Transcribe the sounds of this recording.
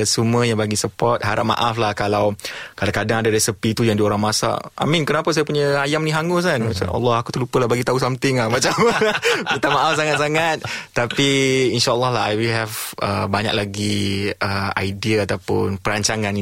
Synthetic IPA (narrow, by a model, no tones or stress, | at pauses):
səmuəjaŋbaɡisəpɔt̪̚ɦaɾap̚ma̰ʔaflahkalawkalakadaŋadaɾɛsəpit̪ujaŋdioɾaŋmasa̰a̰minkənapas̬ajapuɲəajamnĩɦaŋos̬anmat͡ʃa̰na̰lːɔhakut̪əlupəlahbaɡit̪ausamt̪ɪŋlahmat͡ʃamit̪amaʔafsaŋat̪̚saŋat̪̚t̪ːapiinʃaʔəlːɔhlaɦajwilɦɛvə̰baɲa̰k̚laɡiʔəa̰jdiaat̪awpʊ̰npəɾaɲt͡ʃaŋan